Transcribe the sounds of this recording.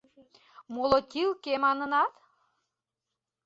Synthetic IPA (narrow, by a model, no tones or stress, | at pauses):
molot̪ʲilkemɑnənɑt̪